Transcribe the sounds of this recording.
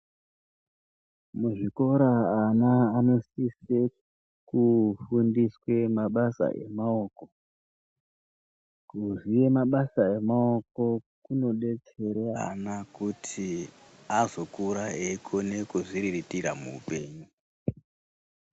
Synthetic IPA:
muʐiko̞ɾaːnaːno̞sise | kufundiswe̞maɓasa̰ʔḛmao̞ːko̞ | kuʐije̞maɓasae̞mao̞ko̞kuno̞ɗe̞t͡se̞ɾea̰nakutʰi | azo̞kuɾaeikʰone̞kuʐiɾiritiɾamṵːpe̞ːɲu

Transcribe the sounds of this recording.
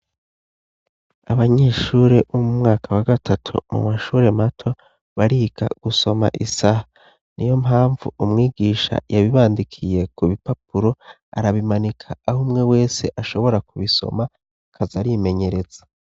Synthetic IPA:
aβaɲe̞ːʃuːɾe̞umumŋaːkʰawaɡatʰatʰṵmṵmaʃuːɾe̞matʰo̞ | βaɾiːɡa̰ɡ̥uso̞ma̰ʔisaha | nʔijo̞mɦaːɱvṵumŋiːɡiːʃa̰jaβiβaːndikʰije̞kuβipap̚uɾo̞ | a̰ɾaβimanikʰaːhumŋe̞we̞ːse̞ʔaʃo̞βo̞ɾakuβiso̰ma | kʰazaɾime̞ɲe̞ɾe̞z̥ḁ

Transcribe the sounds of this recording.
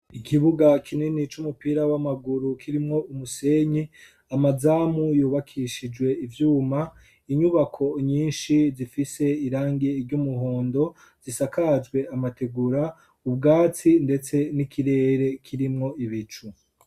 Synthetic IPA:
ikʰiβuɡakʰininit͡ʃumupiːɾawamaɡuɾukʰiɾimŋo̞umuse̞ɲi | amazaːmujuːβakʰiʃid͡ʒɡwe̞ivjuːma | iɲuβakʰo̞ɲiːnʃizifise̞iɾaːŋɡeɾɟumuɦoːndo̞ | z̥isakad͡ʒɡwe̞amatʰe̞ɡuɾa | ub̚ɡaːt͡sinde̞t͡se̞nikʰiɾe̞ːɾe̞kʰiɾimŋo̞iβit͡ʃu

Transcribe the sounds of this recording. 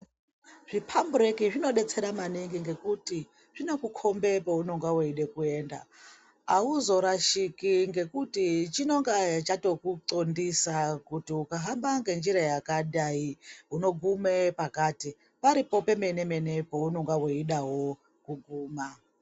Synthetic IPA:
ʐ̥ipʰambuɾe̞kiʐino̞ɗe̞t͡seɾamaniŋɡiŋɡe̞kuti | ʐ̥ino̞kukʰo̞mbe̞pouno̞ŋɡaweiɗekue̞ːnda̰ː | uzo̞ɾaʃikiŋɡe̞kutit͡ʃino̞ŋɡat͡ʃato̞kuǀondisakutiukaɦambaŋɡe̞nd͡ʒiɾajakaɗaiɦuno̞ɡʱume̞pakati | paɾipo̞pe̞mene̞me̞ne̞pouno̞ŋɡwaweiɗaɦo̞ | kuɡʱuːma

